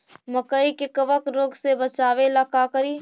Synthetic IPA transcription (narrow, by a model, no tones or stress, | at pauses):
məkəikekəʋəkɾoːɡsebət͡ʃaːʋelakaːkəɾiː